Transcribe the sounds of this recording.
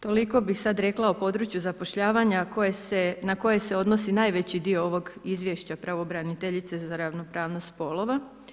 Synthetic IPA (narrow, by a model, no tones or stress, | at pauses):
t̪o̞liko̞bixsad̪ɾe̞klˠaopo̞d̪ɾut͡ɕjuzapoʃʎaːʋaɲakojesenako̞je̞se̞o̞d̪nosinajʋe̞t͡ɕid̪iooʋo̞ɡizʋjeʃt͡ɕapɾaʋobɾanit̪eʎit̪se̞zaɾaʋno̞pɾaːʋnost̪po̞lo̞ʋa